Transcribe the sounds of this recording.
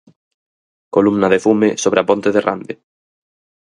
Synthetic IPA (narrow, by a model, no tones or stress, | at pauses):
kolumnaðefumesoβ̞ɾeapont̪eðera̰nd̪e